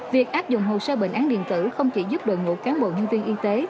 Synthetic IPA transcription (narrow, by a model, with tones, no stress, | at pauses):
vi˨˩ək̚ʔaː˦˥p̚zʊ̰˧˨ŋ͡mɦo̰˧˨səː˧ɓḛ˧˨ŋ̟ʔaː˨˦nɗḭ˧˨ənt̪ɨ̰˧˩xə˧wŋ͡mt͡ɕḭ˧˩zu˦˥p̚ɗo̰˨jŋṵ˧˩kaː˨˦nɓo̰˧˨ɲə˧nvi˧ənʔi˧t̪e˨˦